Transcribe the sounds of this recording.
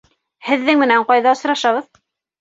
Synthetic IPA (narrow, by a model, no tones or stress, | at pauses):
hɘ̆ðːɘŋmɘ̆næɴqɑjðɑŏsɾɑʃɑβɤð